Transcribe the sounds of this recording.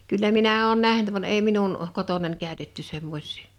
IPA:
kylːæ minæ oːn næhnt ʋɑn eˑi minun kotonɑnʲ kæˑø̝tetːy semːosʲˑi̥ː

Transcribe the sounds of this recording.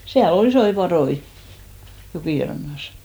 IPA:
siæl ol isoi pɑðoi jokiˑrɑnːɑs

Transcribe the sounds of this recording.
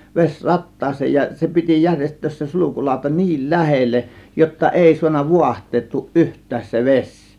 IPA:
ʋesʲ rɑtːɑːsˑeːn jɑ se piti jærʲjestˑøːs se sulukulɑˑo̝tɑ ni̞il læhelːeʔ jotːɑ ʔeˑi suɑnːɑ ʋuɑhtˑeːtːuːʔ ʔyhtˑæːs se ʋesʲ

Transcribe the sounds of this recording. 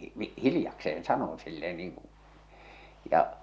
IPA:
n̥i̥ː hilĭjɑkseen sɑnon silːe niːŋ ku̥ jɑ

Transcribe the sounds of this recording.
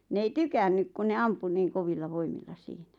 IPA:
n ei tykænːyk ku ne ɑmpu niːŋ koʋilːɑ ʋoimilːɑ siːnæ

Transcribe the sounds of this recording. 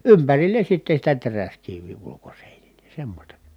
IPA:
ympærilːen̞ sitːe sitæ teræskiʋːiˑ ulukoseˑinile semːosʲtɑ

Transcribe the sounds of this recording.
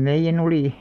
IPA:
meijːæn oliˑ

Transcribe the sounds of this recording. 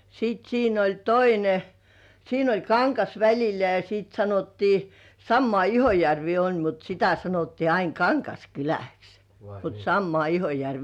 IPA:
sit siːn olʲ toine siːn olʲ kɑŋkɑs ʋælʲilˑæ jɑ siˑt sɑnotːiː sɑmːŏɑˑ ihojærʋiː olʲ mut sitæ sɑnotːiː ɑin kɑŋkɑskylæks mut sɑmːŏɑˑ ihojærʋiː

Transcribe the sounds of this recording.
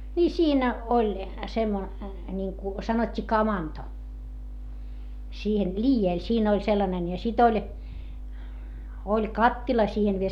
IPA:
niː siːnæ olʲ semːo nʲiŋku sɑnotʲːiː kɑmɑnto siːhen liːjeˑl siːn olʲ selːɑnen jɑ sit olʲ olʲ kɑtːilɑ siːhen ʋiel

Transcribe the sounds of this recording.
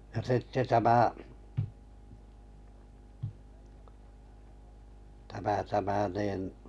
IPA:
jɑ sitːe tæmæ tæmæ tæmæ niˑn

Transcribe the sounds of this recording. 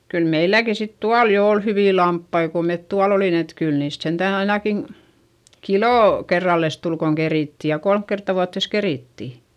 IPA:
kyl meilːæki sit tuɑl jo ol hyʋiˑ lɑmpːɑi ko met tuɑl olin et kyl niːst sentæˑn ɑinɑkin̞ kiloˑ kerːɑlːes tul koŋ keriˑtːi jɑ kolmk kertːɑ ʋuɑtːeˑs keriˑtːi

